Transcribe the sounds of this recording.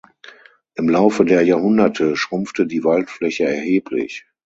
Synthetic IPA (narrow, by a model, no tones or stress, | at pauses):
ʔɪmlaʊfədeːɐjaːɐhʊndɐtʰəʃʁ̥ʊmftədiːvaltflɛçəɛɐheːpʰlɪ̰ç